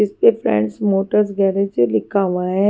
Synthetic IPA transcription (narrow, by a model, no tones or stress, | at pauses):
ɪspefɾɛ̰̃ːɳɖsmoːʈəɾs̬ɡɛːɾed͡ʒelɪkʰaʋaɦɛ̃